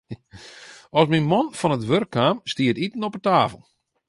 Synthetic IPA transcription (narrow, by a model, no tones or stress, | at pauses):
ɔsminmɔnfɔnətʋørkʰːaːmstiətitn̩ɔpətaːfəl̩ˠ